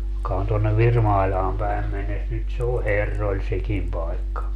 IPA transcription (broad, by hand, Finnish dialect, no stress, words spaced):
jokɑ on tonːeʋ ʋirmɑilʲɑːm pæim menːes nyt se o herːolʲ sekim pɑikːɑ